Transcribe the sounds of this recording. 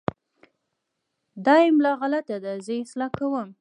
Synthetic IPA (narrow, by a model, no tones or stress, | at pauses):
d̪ɑjɪmlɑɣalat̪ad̪azəɪslɑkawəm